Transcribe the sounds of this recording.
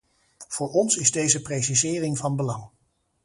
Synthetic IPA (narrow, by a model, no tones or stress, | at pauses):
v̥ʊːɹɔnsɪzdejzəprejs̬izɪːrɪŋvɑnbəlɑŋ